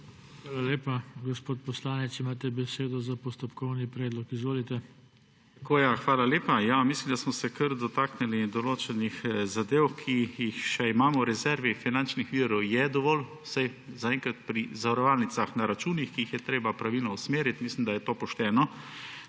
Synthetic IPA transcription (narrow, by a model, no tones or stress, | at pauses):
xʋaːlaleːpaɡɔspoːt̪̚pɔslaːnɛt̪simaːt̪ɛbɛseːd̪ɔzapɔst̪ɔpkɔwnipɾɛːd̪lɔkizʋoːlit̪ɛ | t̪koːjaxʋaːlaleːpajamislimd̪asmɔsɛkʰəɾd̪ɔt̪aːknɛlid̪ɔloːt͡ʃɛnixzad̪eːwkʰijixʃɛimaːmɔwɾɛzɛɾʋifinant͡ʃnixʋiːɾɔwjɛd̪ɔʋɔːl | sajzaɛŋkɾat̪̚pɾizaʋɐɾɔʋaːlnit̪saxnaɾat͡ʃuːnixkiixjɛt̪ɾeːbapɾaʋilnɔusmeːɾit̪mislimd̪ajɛt̪oːpɔʃt̪ɛːnɔ